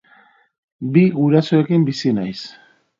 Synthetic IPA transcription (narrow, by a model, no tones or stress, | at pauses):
biɣuɾaso̞ekimbisinajs